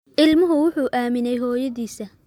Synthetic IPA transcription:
ʔɪlmʊɦʊwʊħuːʔaːmɪnɛjɦɔːjɐðiːsɐ

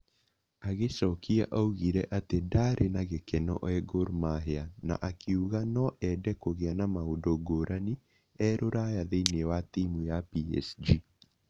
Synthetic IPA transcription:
aɣesɔkiaʔauɣiɾɛʔatedaɾʔenaɣekɛnɔ̰ʔɛɡoɾmaɦeana̰ʔakʰiuɣanɔʔɛdɛkoɣeanamaodoɡoɾʔani | ɛɾoɾajaðeinewatimujapiɛ̰sd͡ʒi

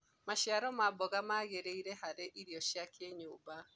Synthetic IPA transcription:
maʃjaɾɔmabɔɣamaːɣeɾeiɾɛhaɾeʔiɾiɔʃjakʰeɲoːba

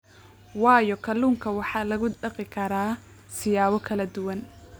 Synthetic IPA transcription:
wɑːjɔkʰɐluːŋkʰɐwɑħɑːlɐɣʊɖɐqɪkʰɐɾaː | sɪjaːβɔkʰɐlɐd̪ʊwɐn

